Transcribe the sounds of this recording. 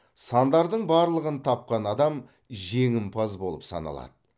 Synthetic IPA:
sɑnd̪ɑɾd̪əɴbɑɾlˠəʁənt̪ʰɑp̚qɑnɑd̪ɑm | ʒe̞ŋɪmpʰɑzbo̞lˠəpsɑ̰nɑ̰lˠɑ̰d̪̥ə

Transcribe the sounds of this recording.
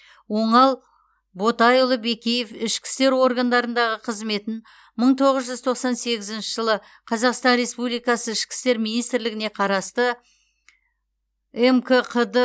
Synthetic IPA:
wo̞ɴɑlˠ | bo̞t̪ɑjʊlˠəbe̞kʲejefɪʃkʲɪ̥st̪e̞ɾwo̞ɾɡand̪ɑɾənd̪ɑʁəqʰəzme̞t̪ɪn | məɴt̪ʰo̞ʁəzʒʏzt̪ʰoqsɑnse̞ɡʲɪzɪnʃɪʒəlˠə | qʰɑzɑqst̪ɑnɾe̞spublijkɑsəɪʃkʲɪ̥st̪e̞ɾminijst̪ɾlɪɡʲɪne̞qʰɑɾɑst̪ə | emkʰəqʰəd̪ə

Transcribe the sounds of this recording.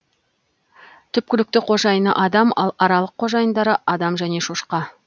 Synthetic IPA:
t̪ʰʏp̚kʲɪlɪk̚t̪ɪqʰo̞ʒɑjənə̰ʔɑd̪ɑmɑ̰lˠɑɾɑlˠəqʰːo̞ʒɑjənd̪ɑɾəʔɑd̪ɑmʒæne̞ʃoʃqɑ

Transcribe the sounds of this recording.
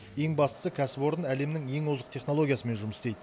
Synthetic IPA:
je̞ŋbɑst̪ə̥səkʲʰæsɪpo̞ɾənæle̞mnɪŋje̞ŋozəqt̪ʰe̞χno̞lˠo̞ɡʲjasəme̞nʒʊməst̪e̞jd̪ə

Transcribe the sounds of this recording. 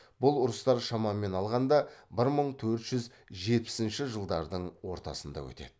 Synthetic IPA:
bʊlˠʊɾəst̪ɑɾʃɑmɑmːe̞nɑlˠʁɑnd̪ɑbɪɾməɴt̪ʰɵɾt̪ʒ̥ʏz | ʒe̞t̪̚pɪ̥sɪnʃɪʒəlˠd̪ɑɾd̪əɴwo̞ɾt̪ɑ̰sənd̪ɑ̰wɵ̰t̪e̞̰d̪ɪ

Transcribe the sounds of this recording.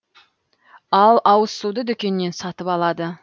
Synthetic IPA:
ɑlˠɑwəsud̪əd̪ʏkʲe̞nːe̞nsɑt̪əpɑlˠɑd̪ə

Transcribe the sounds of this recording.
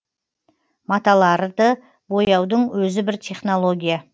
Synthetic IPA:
mɑt̪ɑlˠɑɾd̪ə | bo̞jɑwd̪əɴwɵzɪbɪɾt̪ʰʲe̞χno̞lˠo̞ɡʲija

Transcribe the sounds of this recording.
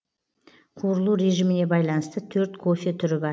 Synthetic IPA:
qʰuɾəlˠuɾe̞ʒimɪne̞bɑjlˠɑnəst̪ət̪ʰɵɾt̪kʰo̞fʲet̪ʰʏɾɪbɑ

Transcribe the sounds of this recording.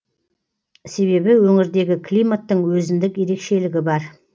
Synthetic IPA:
se̞βe̞bɪwɵŋɪɾd̪e̞ɡʲɪkʰlijmat̪ːəɴwɵzɪnd̪ɪkje̞ɾe̞kʃe̞lɪɡʲɪbɑɾ

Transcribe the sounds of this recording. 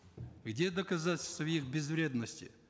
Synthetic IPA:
ɣdʲed̪əkɐzatʲɪlʲsʲt̪əvjixbʲɪzvɾʲe̞d̪nəsʲtʲɪ̰

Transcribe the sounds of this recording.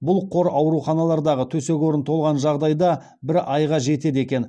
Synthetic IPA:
bʊlˠqʰo̞ɾɑwɾuχɑnɑlˠɑɾd̪ɑʁət̪ʰɵse̞ɡʲo̞ɾənt̪ʰo̞lˠʁɑnʒɑʁd̪ɑjd̪ɑ | bɪɾɑjʁɑʒe̞t̪e̞d̪e̞kʲe̞n

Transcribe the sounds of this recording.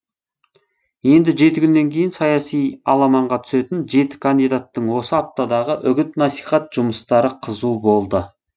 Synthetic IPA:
je̞nd̪ɪʒe̞t̪ɪkʲʰʏnːe̞ŋkʲʰe̞jɪnsɑjɑsijɑ̰lˠɑmɑɴʁɑt̪ʰʏ̥se̞t̪ɪnʒe̞t̪ɪ̥kʰand̪ijd̪at̪ːəɴwo̞səɑp̚t̪ɑd̪ɑʁəʔʏɡʲɪt̪nɑsijχɑt̪ʒʊməst̪ɑɾəqʰəzubo̞lˠd̪ə

